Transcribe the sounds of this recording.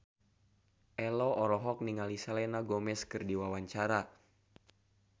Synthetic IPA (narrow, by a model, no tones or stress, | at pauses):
ʔɛlɔʔɔɾɔɦɔk̚niŋalisalɛnaɡomɛskɨrdiwawaɲt͡ʃaɾa